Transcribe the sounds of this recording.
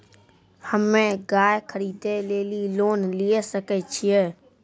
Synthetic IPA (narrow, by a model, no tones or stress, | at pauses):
həmẽɡaːjkʰəɾiːd̪eleːliloːnlijesəkɛt͡ʃʰijɛ